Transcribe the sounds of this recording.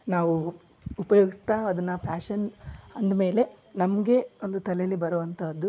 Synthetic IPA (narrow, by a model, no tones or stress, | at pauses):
naːʋu | upɐjoːɡist̪aɐd̪ɐnːɐpʰaːʃɐnɐnd̪ɐme̞ːle̞ | nɐmɡe̞o̞nd̪ut̪ɐlejɐlːibɐɾuʋɐnt̪ʰɐd̪ːu